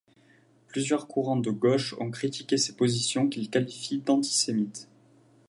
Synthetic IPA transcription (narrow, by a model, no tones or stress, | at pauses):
plyzjœʁkʰuʁɑ̃d̪əɡɔʃɔ̰̃kχit̪ikʲesepozisjɔ̃kʲilkalifid̪ɑ̃t̪i̥semit̪